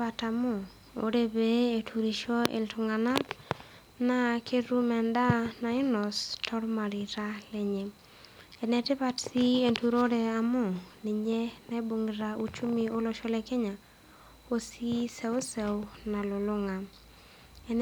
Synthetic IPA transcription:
ata˨mʊ˦˨ | o̰˦ɾe˦bee˨tʰu˨ɾi˨ʃo˦ḛ˨ltʊ˨ŋa˨na˦k | na˦kʰe˦ɾu˦mɛ˨nda˦na˨ɪ˦nɔ˨stʰɔ˦ɾma˨ɾi˨ɾa˦lɛ˦ɲe˨ | ɛ˨nɛ˨tɪ˦βa˦tsi˦e˨ntu˦ɾo˦ɾe˨a˨mʊ˦˨ni˨ɲe˦na˦e˦bo˨ŋɾau˦t͡ʃu˦mio˦lɔ˦ʃɔ˦le˨kɛ˦ɲa˨ | o˦si˦sɛ˦wsɛ˨wna˨lo˨lʊ˦ŋa˨ | ɛ˨n

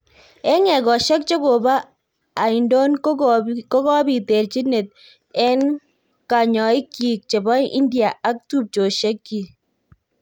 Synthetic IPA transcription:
ɛ˦ŋɛ˨kɔ˨ʃɛ˦k̚t͡ʃe˦ko˨baː˦˨ | ɪ˨ndo˦n | kɔ˦kɔ˦bi˨te˨rt͡ʃi˦ne˨t̚ | ɛ˦n | ka˨ɲɔ˨ɪ˦kːi˨k̚t͡ʃe˨bɔ˦jʔḭ˦ndia˨ʔa˦k̚tu˦p̚t͡ʃo˨ʃe˦kːi˨

